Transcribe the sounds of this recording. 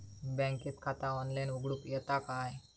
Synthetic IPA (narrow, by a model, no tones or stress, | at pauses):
bɛ̃ŋkit͡skʰat̪ãɔnlajnʋuɡɽukjət̪akaj